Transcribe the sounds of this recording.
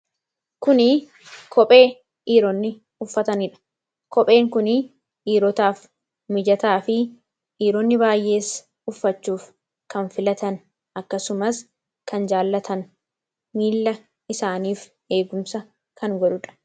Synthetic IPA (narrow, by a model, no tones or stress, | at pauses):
kʊnɪ | kʰɔpʼe̞ː | ʔiːɾɔnːɪ | ʊfːɐt̪ɐnɪᶑɐ̥ | kɔpʼe̞ːŋkʊnɪ | ʔiːɾɔt̪aːf | mɪd͡ʒɐt̪aːfɪ | ʔiːɾɔnːɪbaːjʔe̞ːs | ʊfːɐt͡ʃːuːf | kɐnfɪlɐt̪ɐn | ʔɐkːɐsʊmɐs | kɐnd͡ʒaːlːɐt̪ʰɐn | miːlːɐ | ɪsaːniːf | ʔe̞ːɡʊmsɐ | kɐŋɡɔᶑʊᶑɐ̥